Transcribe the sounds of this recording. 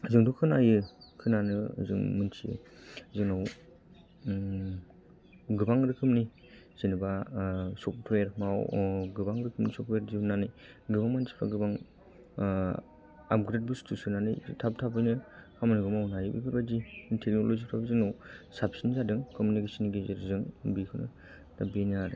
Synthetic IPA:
zɯŋdukʰɯnajɯkʰɯnanɯ̰zɯ̰ŋmɯnsizɯŋnaw | ɡɯbaŋɾɯkʰɯm̚ni | z̥enɯbasɔptweɾmawɡɯbaŋɾɯkʰɯmnisɔp̚tweɾzibɯnanɯj | ɡɯbaŋmansi̥pʰa̰ɡɯbaŋ | a̰p̚ɡɾet̚bustʰusɯnanɯ̰jtʰap̚tʰabɯjnɯhamanɯɡɯmawnajɯbḭkʰɯɾbazitʰek̚nolozitʰabazɯŋnawsapsinzadɯŋkɔmunikesinɡezeɾzɯŋbikʰɯnɯ̰ | tabinaɾɯ

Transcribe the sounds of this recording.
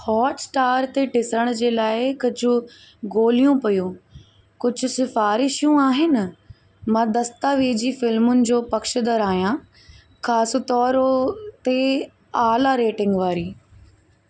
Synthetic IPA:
hɔːʈsʈaːɾt̪eʈɪsɾəɽ̃d͡ʑeːlaːɪkɐd͡ʑʱʊ̆ | ɡoːlijũpɐjũː | kʊd͡ʑʱʊ̆sɪfaːɾɪʃijũaːɦɪnɪ | mãːd̪ɐst̪aʋeːd͡ʑifɪlmʊnɪ̆d͡ʑoːpɐkʃəd̪əɾaːɦijã | xaːsʊt̪ɔːɾt̪e | aːlaɾeːʈɪ̃ŋɡʋaːɾiː

